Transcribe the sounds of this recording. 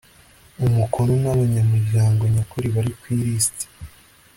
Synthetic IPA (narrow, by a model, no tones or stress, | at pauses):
umukʰoɾonaβaɲamuɾɟaːŋɡo̞ɲakuɾiβaɾikwiːɾisti̥